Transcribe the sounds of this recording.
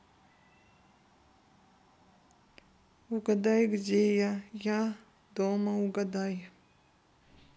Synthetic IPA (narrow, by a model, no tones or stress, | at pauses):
uɡɐd̪ajɡd͡ʒejaja | d̪oːmauɡɐd̪aj